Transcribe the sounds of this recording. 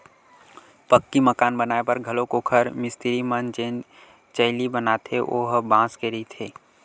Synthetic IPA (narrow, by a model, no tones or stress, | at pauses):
pəkːiməkaːnbənaːepəɾɡʱəlokokʰəɾmɪst̪ʰiɾimənd͡ʒeːn | t͡ʃəɪlibənat̪ʰeʔoːɦbãːskeɾit̪ʰeː